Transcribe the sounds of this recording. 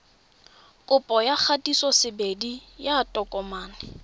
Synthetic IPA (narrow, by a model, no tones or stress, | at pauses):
kʼʊpʼɔjak͡xʰatʼisɔsɪbedijatʼɔkʼɔmaːnɪ